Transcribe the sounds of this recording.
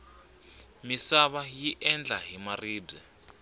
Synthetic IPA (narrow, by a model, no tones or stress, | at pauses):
misaβajiʔɛnd͡ɮʱaɦimariːbb͡ʐzɛ